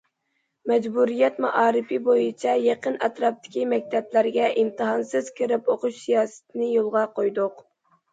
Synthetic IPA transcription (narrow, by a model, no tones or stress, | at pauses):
mɛd͡ʒbuɾijɛt̪mɑʔɑːɾɨfibojit͡ʃʰɛjeqənɛt̪ɾɑp̚t̪ʰɪ̥kʲimɛk̚ʲt̪ʰɛplæɾɡʲɛʔɪmt̪ɨɦɑnsɨz̥kʲʰeɾɪpoqʊʃsijɑːsɨ̥t̪ʰɪnɪjolˠʁɑqʰojd̪ʊq